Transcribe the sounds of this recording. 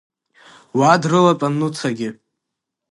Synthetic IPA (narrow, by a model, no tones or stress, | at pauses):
wadrɨlapʼanːut͡sʰaɡʲɪ